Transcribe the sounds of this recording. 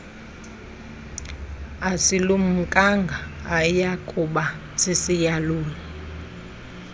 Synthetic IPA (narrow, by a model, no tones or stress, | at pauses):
asilum̩kʼaŋɡʱaːjakʼuɓa | sisijaluːlɔ